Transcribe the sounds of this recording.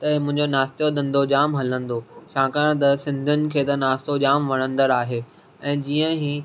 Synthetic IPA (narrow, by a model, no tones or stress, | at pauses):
t̪ɐmʊ̃ɦɪ̃ɲd͡ʑonaːst̪jod̪ɐ̃nd̪od͡ʑaːmɦɐlə̃nd̪oʃãːkãɽ̃t̪̬ɐsɪ̃nd̪ʱʊnɪ̆kʰeːt̪ɐnaːst̪od͡ʑaːmʋɐɽ̃ə̃nd̪əɾaːɦeː | ɛ̃ːd͡ʑiːə̃ɦiː